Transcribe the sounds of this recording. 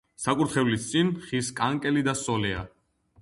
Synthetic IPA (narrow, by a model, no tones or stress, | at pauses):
sakʼuɾt̪χɛvlist̪sʼinχiskʼaŋkʼɛlid̪asɔlɛa̰